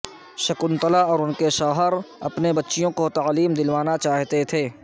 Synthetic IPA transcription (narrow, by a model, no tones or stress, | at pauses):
ʃɐkʊnt̪əlaɔːɾʊnkeʃɔːɦəɾɐ̰pnebɐtːʃijõkot̪aːliːmd̪ɪlʋaːnat͡ʃaːɦt̪et̪ʰeː